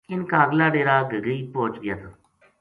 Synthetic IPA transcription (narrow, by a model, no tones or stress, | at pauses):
ɪnkaːɡlaːɖeːɾaːɡəɡəiːpoːt͡ʃɡɪjaːt̪ʰaː